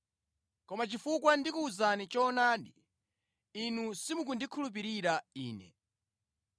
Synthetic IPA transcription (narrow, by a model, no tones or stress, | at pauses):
kɔmat͡ʃifukwandikuuzanit͡ʃɔːnaːɗiː | nusimuk̬undikʰulup̬iɾiɾaiːnɛ̰